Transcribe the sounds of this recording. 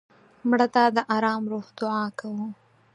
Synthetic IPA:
mɽət̪ad̪əʔɑɾɑːmɾohd̪ʊʕɑkawu

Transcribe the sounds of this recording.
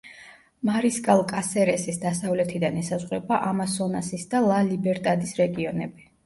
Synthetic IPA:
maɾiskʼalˠkʼasɛɾɛsisd̪asavlɛt̪ʰid̪anɛsazʁwɛbaʔamasɔnasisd̪alˠalibɛɾt̪ʼad̪isɾɛɡiɔnɛbi

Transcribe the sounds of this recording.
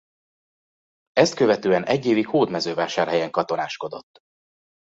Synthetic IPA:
ɛst̪̚køvɛt̪øːɛnɛɟːeːvikhoːd̪mɛzøːvaːʃaːrɦɛjɛŋkɒt̪o̞naːʃko̞d̪ot̪ː

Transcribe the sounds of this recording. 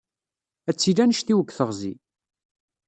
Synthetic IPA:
æt͡sːilænəʃt̪iwəkːθəʁzḭ

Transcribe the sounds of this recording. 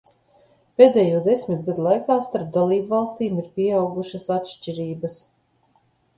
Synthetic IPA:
peːd̪ɛːjuɔd̪esmit̪̚ɡad̪ulˠajkaːst̪aɾp̚d̪alˠiːbvalˠst̪iːmiɾpʲiɛawɡuʃɐsat̪ʃt͡ʃʲiɾiːbɐs

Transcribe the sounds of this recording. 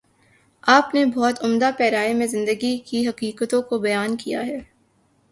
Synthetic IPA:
aːpnebɔːt̪ʊmd̪apɛːɾaːemẽzɪ̃nd̪əɡikiɦɐqiːqət̪õkobɐjaːnkijaɦɛː

